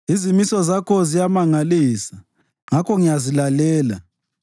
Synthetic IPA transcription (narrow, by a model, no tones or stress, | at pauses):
izimisɔzakʰɔzijamaŋaliːsḁ | ŋakʰɔŋijazilalɛːla̰